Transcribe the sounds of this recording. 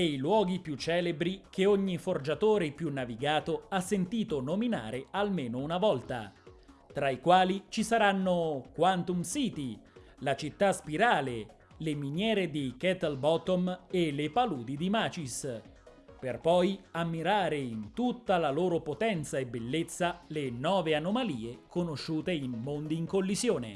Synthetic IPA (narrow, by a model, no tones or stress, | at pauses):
ɛilwɔːɡipjut͡ʃːɛːlebɾik̟eoɲːiford͡ʒat̪oːɾepjunːaviɡaːt̪oasːent̪iːt̪onomina̰ːɾealmeːnounavɔlt̪a̰t̪ɾaikwaːlit͡ʃisaɾanːokwant̪umsiːt̪i | lat͡ʃit̪ːaspiɾaːle | leminjɛːɾed̪ikɛt̪albɔt̪omelepaluːd̪id̪imaːt͡ʃis | perpɔjamːiɾaːɾeint̪ut̪ːalaloːɾopot̪ɛnt̪saebelːet̪sːalenɔːveanomaliːekonoʃːuːt̪einmond̪iːŋkolːizjoːnḛ